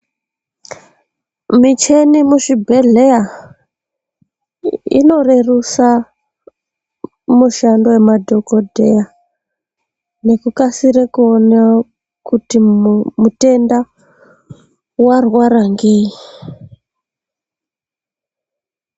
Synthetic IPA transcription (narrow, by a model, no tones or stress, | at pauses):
mit͡ʃe̞nimuʃibʱeɮea | ḭno̞rerusa | muʃando̞we̞madʱo̞ko̞dʱeja | ne̞kukasiɾekuona | kutimute̞nda | warwaɾaŋɡeːji